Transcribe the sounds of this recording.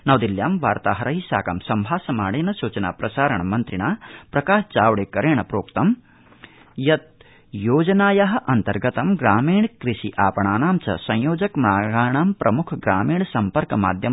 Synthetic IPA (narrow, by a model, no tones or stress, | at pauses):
nɐʋd̪iljaːmʋaːɾt̪aːɦɐɾɐɦisa̰ːkɐ̰msɐmbʱaːsɐmaːɽeːnɐsuːt͡ʃɐna̰ːpɾɐsaːɾɐɳɐmɐnt̪ɾiɳaːpɾɐkaːʃt͡ʃaːʋɽeːkɐɾeːɳɐpɾoːkt̪ɐm | jɐt̪̚ | joːd͡ʒɐnaːjɐɦɐ̆ʔɐnt̪ɐɾɡɐt̪ɐmɡɾaːmiːɳkɾiʃiʔaːpɐɳaːnaːmt͡ʃɐ̰sɐ̃jjoːd͡ʒɐkmɾaːɡaːɳaːmpɾʔɐmukʰɡɾaːmiːɳsɐmpɐɾkɐma̰ːd̪ʱjɐ